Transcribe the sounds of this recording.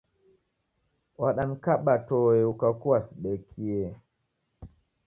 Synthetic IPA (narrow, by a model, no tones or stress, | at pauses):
waɗankaɓatɔɛukakuwasɗɛkʰːijɛ